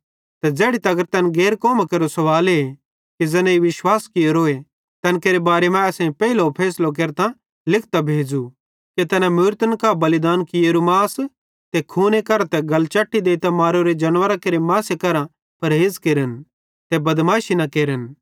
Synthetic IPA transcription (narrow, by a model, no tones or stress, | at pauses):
t̪ɐd͡zeːɽit̪ɐɡəɾt̪ɐnɡeːɾkoːmakeːɾosɐʋaːle | kid͡zɛnɛ̃iʋɪʃwaːskɪjoɾoːe | t̪ɐnkeːɾebaːɾemãɐsẽpɛːilopʰɛːslok̬eːɾt̪ã | lɪkʰt̪abʱeːd͡zu | ket̪ɐnãmʊɾt̪ənkabɐlɪd̪aːnkijeːɾumaːs | t̪ɛkʰuːnekɐɾãt̪ɛɡɐlt͡ʃɐʈːid̪eːit̪amaːɾoɾed͡ʒɐnʋəɾakeːɾemaːsekɐɾã | pɐɾɦeːd͡zkeːɾən | t̪ɛbɐd̪maːʃinakeːɾən